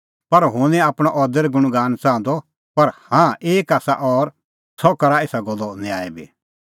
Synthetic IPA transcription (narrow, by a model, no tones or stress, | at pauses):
pɐɾɦʊ̃ːnɛ̃aːpɽ̃ɔʔɔːd̪əɾɛɡʊɽ̃ɡaːnt͡sãːnd̪ɔ | pɐɾhãːeːkaːsa̰ʔɔːɾ | sʰɔkɐɾaeːsaɡɔlːɔnẽa̰ːɛbḭː